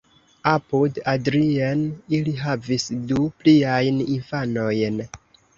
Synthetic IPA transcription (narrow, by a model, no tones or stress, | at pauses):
apudadɾianiliɦavisdupliajninfano̞jn